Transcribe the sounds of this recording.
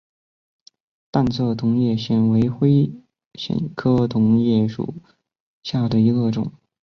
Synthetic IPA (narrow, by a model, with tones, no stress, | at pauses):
t̪a˥˧nt͡sʰɤ˥˩t̪ʰʊ˧˥ŋjɛ˥˩ɕɛ˥˩nwe˧˥ɪxwe˥ɪ | ɕɛ̰˧˨˩nkʰɤ˥t̪ʰʊ˧˥ŋjɛ˥˩ʂṵ˨˩˦ | ɕja˥˩d̪ə˩i˧˥ɡə˥˧ʈ͡ʂʊ̰˨˩˦ŋ